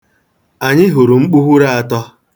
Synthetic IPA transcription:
a˨ɲɪ˦ɦʊ˨ɾu˨ŋ͡m̩˦k͡pu˦ɦu˦ɾa˦a˨tɔ˦

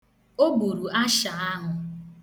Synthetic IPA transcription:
o˦bu˨ɾu˨ʔa˦ʃa˨a˦ɦʊ˨

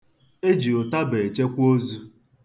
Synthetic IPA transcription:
e˦d͡ʒi˨o˨ta˦be˨e˨t͡ʃe˦kʷo˦zu˦

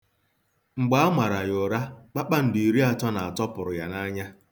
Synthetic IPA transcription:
ŋ͡m̩˨ɡ͡ba˦a˦mʷa˨ɾa˨jʊ˨ɾa˦k͡pa˦k͡pa˦n̩˨di˨i˨ɾi˦a˨tɔ˦na˨a˨tɔ˦pʊ˨ɾʊ˨ja˨na˦ɲa˦

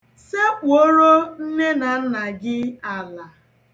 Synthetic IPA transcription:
se˦k͡po˦ɾo˦n̩˦ne˦na˨n̩˦na˨ɡɪ˦a˨la˨

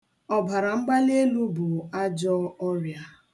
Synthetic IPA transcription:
ɔ˨ba˨ɾa˨ŋ͡m̩˦ɡ͡ba˦ne˦lu˦bʊ˨a˦d͡ʒɔ˦ɔ˦ɾja˦

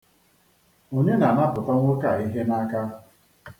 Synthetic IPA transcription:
u˨ɲe˦na˨ma˦pʊ˨tɔ˦ŋʷʊ˦ka˨i˦ɦe˦na˦ka˦

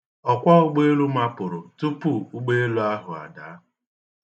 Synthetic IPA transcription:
ɔ˨kʷa˦ʊ˦ɡ͡be˦lu˦ma˦pʊ˨ɾʊ˨tu˦pu˦u˦ɡ͡be˦e˦lu˦a˦ɦʊ˨a̰˨daː˨˦

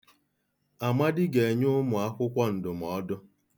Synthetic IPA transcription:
a˨ma˦dɪ˦ɡe˨e˨ɲʊ˦mʊ˨a˦kʷʊ˦kʷɔ˦n̩˨dʊ˨m˨ɔ˨˦dʊ˦

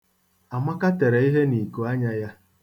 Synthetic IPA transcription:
a˨ma˦ka˦te˨ɾe˨i˦ɦe˦ni˨ku˨a˦ɲa˦ja˦

